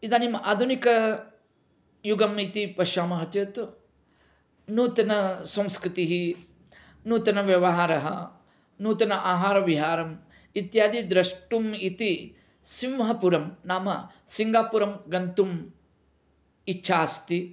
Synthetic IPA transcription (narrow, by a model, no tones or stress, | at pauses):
id̪aːnimaːd̪ʱunikɐ | juɡɐmit̪ipɐʃaːmɐɦɐt͡ʃeːt̪ | nuːt̪ɐnɐsɐ̃mskɾɪt̪iɦi | nuːt̪ɐnɐʋjɐʋɐɦaːɾɐɦɐ̰ | nuːt̪ɐnɐʔaːɦaːɾɐʋiɦaːɾɐm | it̪jaːd̪id̪ɾɐʂʈumit̪i | simʋɐɦɐpuɾɐmnaːmɐ | siŋɡaːpuːɾɐmɡɐnt̪um | itːʃʰaːst̪i